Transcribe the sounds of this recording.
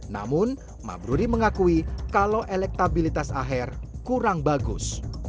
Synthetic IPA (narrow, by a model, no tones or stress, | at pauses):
na̰mʊn | ma̰bɾuɾiməŋakuikaloʔelɛk̚t̪abilit̪asaɦɛrkuɾaŋbaɡʊ̰s